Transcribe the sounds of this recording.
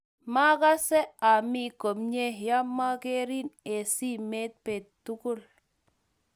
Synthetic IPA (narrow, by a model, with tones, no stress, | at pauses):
ma˦ka˦se˦a˨mi˦ko˨mɲe˦hja˦mːa˦ke˦ɾi˦ne˨si˦me˦t̪̚pe˨t̪tu˦ku˦l